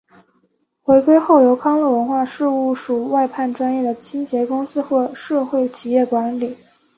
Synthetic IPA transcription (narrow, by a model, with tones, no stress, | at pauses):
xwe˧˥ɪkwe˥ɪxo˥˩ʊjo˧˥ʊkʰɑ˥ŋlə˥˩wə˧˥nxwa˥˧ʂɻ̩˥˧u˥˩ʂu˨˩wa˥˧ɪpʰa˥˩nʈ͡ʂwa˥njɛ˥˩d̪ə˩t͡ɕʰi˥ŋt͡ɕjɛ˧˥kʊ˥ŋsɹ̩˥xwɔ˥˧ʂɤ˥˧xwe˥˩ɪt͡ɕʰi˨˩jɛ˥˩kwa˧˥nli˨˩˦